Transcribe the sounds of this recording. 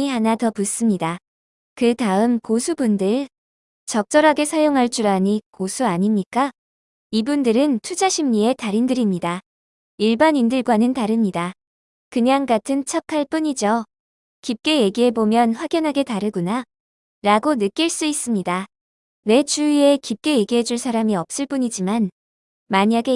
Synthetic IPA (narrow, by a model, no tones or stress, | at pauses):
iɦanatʌpus͈ɯmɲida | kɯtaɯmkosʰubundɯɭ | t͡ɕʌk̚t͡ɕ͈ʌɾɦaɡe̞sʰajoŋɦaɭt͡ɕ͈uɾaɲikosʰuaɲimɲik͈a | ibundɯɾɯntʰud͡ʑaɕʰimɲie̞taɾindɯɾimɲida | iɭbanindɯɭɡwanɯntaɾɯmɲida | kɯɲaŋɡatʰɯnt͡ɕʰʌkʰaɭp͈uɲid͡ʑo | kip̚k͈e̞je̞ɡiɦe̞bomjʌnɸwaɡjʌnɦaɡe̞taɾɯɡuna | ɾaɡonɯk͈iɭs͈uis͈ɯmɲida | we̞t͡ɕuie̞kip̚k͈e̞je̞ɡiɦe̞d͡ʑuɭsʰaɾamiʌp̚s͈ɯɭp͈uɲid͡ʑiman | maɲaɡe̞